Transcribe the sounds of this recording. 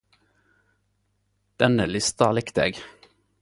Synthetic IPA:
d̪̥ɛnəlɪst̪ɑlɪkt̪ḛːɡ

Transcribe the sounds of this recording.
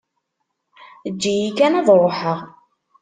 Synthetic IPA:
əd͡ʒːijikænæðˤɾˤoħəʁ

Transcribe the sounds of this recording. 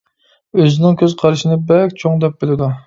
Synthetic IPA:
øzɪnɪŋkʲʰøzqʰɑɾʃinɪbɛkʲt͡ʃʰoŋd̪ɛp̚bɪlɪd̪u

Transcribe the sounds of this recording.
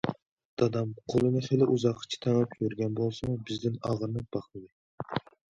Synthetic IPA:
d̪̥ɑd̪ɑmqʰolˠɨnɨχelɪʔuzɑqʰːɨ̥t͡ʃʰɛ̥t̪ʰɛnɑpʰjøɾɡʲɛnbolˠsɨmubɪzd̪ɪnɑʁɾnɨb̥ɑχlˠɨd̪ɪ

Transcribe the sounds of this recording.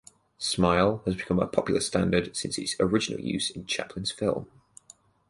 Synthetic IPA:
smaɪlˠəzbɪkʰʌ̃mə̰pʰɒpjl̩ˠəstãndəd̥sɪ̃nsɪtz̥əɹɪd͡ʒɪnə̰lˠjʉ̰ːz̥ɪ̃nt͡ʃʰa̰pʰlɪ̃nz̥fɪlˠm

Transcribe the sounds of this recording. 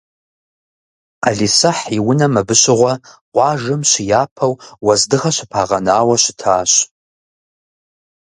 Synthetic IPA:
aɮisɐħiwʊnɐmɐbɨɕɪʁʷɐqʷʼɑːʒɨmɕɪjaːpʰɐwwɐzdɨʁɐɕʷɪpʰaːʁɐnaːwɐɕɪtʰaːɕ

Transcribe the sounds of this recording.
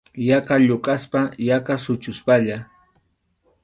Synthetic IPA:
jaqaʎʊqʼaspajaqasʊt͡ʃʊspaʎa

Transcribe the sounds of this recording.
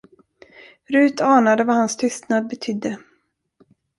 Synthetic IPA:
ɾʉ̟ːt̪ʰɑːnad̪əvahanst̪ʰʏst̪nad̪̚bɛt̪ʰʏd̪ːə

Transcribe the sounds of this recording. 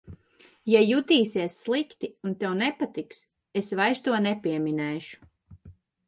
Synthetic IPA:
jajut̪iːsiɛsːlˠikt̪iunt̪ɛwnɛpat̪iks | esvajst̪uɔnɛpiɛminɛːʃu̥

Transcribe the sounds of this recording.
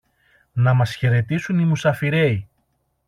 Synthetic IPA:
nɐmɐsçe̞ɾe̞t̪isunimusɐfiɾe̞i

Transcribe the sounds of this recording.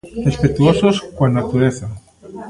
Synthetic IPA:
respet̪uososkwanat̪uɾeθa

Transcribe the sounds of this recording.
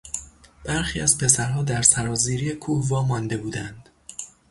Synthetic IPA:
b̥æɾxiːæzpʰe̞sæɾɦɒːd̪æɾsæɾɒːziːɾijekʰuhvɒːmɒnd̪e̞buːd̪ænd̪̥

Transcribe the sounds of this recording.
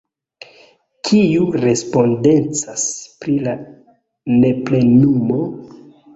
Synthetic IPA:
kʰijuɾe̞spo̞nde̞nt͡saspɾila | ne̞ple̞numo

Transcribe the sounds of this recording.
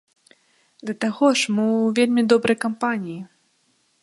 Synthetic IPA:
d̪lʲɐt̪aɣɔʂmɨvʲelʲmʲid̪ɔbɾɐjkampanʲiji

